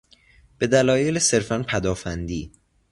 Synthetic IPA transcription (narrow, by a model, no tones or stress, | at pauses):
b̥e̞d̪ælɒːjelese̞ɾfænpʰæd̪ɒːfænd̪iː